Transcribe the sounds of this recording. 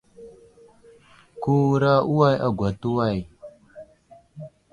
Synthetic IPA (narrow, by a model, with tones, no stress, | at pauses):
ku˦ɾa˦u˦wa˦ja̰˨ɡʷa˨tu˦wa˦˨j